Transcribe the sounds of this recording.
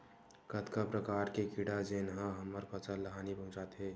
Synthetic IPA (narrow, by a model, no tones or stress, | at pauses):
kət̪kapɾəkaːɾkekiɽad͡ʒenɦãɦəməɾpət͡ʃəlləɦanibəɦũt͡ʃat̪ɦɛ